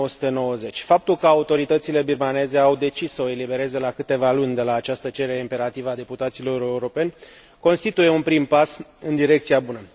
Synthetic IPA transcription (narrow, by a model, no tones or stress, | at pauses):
əsu̥t̪e̞no̞wəze̞t͡ʃʲfap̚t̪ulkəaut̪o̞ɾit̪ət̪sile̞birmane̞ze̞awd̪e̞t͡ʃisːəoe̞libe̞ɾe̞ze̞lakɨt̪e̞valunʲd̪e̞laːt͡ʃast̪ət͡ʃe̞ɾeɾeimpe̞ɾat̪ivəad̪e̞put̪at̪silo̞ɾe̞uɾo̞pe̞nʲ | ko̞nst̪it̪uje̞unpɾimpasɨnd̪iɾe̞kt̪sijabunə